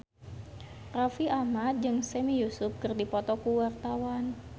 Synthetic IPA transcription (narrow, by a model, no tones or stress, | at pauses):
rafiamad͡ʒɨŋsɛmijusʊp̚kərdipɔt̪ɔkuwart̪awan